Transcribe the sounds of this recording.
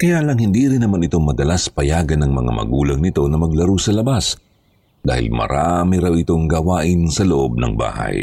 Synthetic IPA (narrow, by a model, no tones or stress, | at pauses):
kɐjaʔlɐŋhɪnd̪iɾɪnːɐmanɪt̪o̞ŋmɐd̪ɐlaspɐjaːɡɐnɐŋmɐ̰ŋa̰mɐ̰ɡuːlɐŋnɪt̪o̞nɐmɐɡlɐɾusɐlɐbas | d̪a̰ːhɪ̰lmɐ̰ɾamɪɾawɪt̪o̞ŋɡɐwaːʔɪnsɐloʔo̞b̚nɐ̰ŋba̰ːhɐ̰j